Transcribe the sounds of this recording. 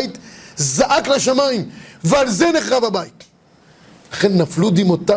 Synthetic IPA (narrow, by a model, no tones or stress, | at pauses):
it̪zaʔaklaʃamaimvealzeneχʁavabajit̪ | laχenːaflud̪imot̪a